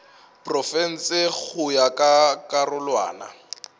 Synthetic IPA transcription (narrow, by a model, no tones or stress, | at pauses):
prɔfɛn̩sɪk͡xʰʊjakʼakʼarʊlwa̰ːna̰